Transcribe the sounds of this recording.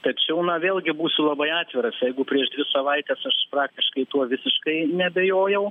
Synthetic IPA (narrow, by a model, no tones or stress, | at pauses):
t̪ɐt͡ʃʲɛʊnɐʋʲeːlˠʲɡʲɪbuːsʲʊlˠɐbɐɪɑːt̪ʲʋʲɪɾɐsjɛɪɡʊpʲɾʲiɛʃd̪ʲʋʲɪsɐʋɐɪt̪ʲɛːsɐʃprɑːk̚t̪ʲɪʃkɐɪt̪uɔʋʲɪsʲɪʃkɐɪnʲɛbʲejoːjɛʊ